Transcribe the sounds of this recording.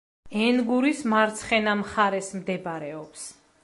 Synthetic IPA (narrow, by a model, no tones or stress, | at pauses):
ɛnɡuɾismaɾt̪sʰχɛnamχaɾɛsmd̪ɛbɾɛɔps